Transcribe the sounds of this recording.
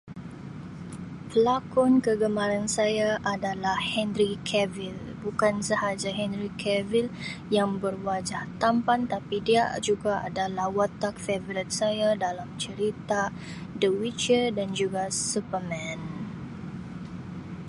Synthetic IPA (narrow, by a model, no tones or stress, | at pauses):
pəlakɔnkəɡəmãɾansajaʔadalahhɛnɾikʰɛvil | bukansəhad͡ʒaɦɛnɾikʰɛviljaŋbərwad͡ʒaht̪ampant̪apidiad͡ʒuɡaʔa̰dalahwat̪ak̚fevɾit̪̚sajadalamt͡ʃəɾit̪a | dəwit͡ʃədand͡ʒuɡasupərmɛ̃n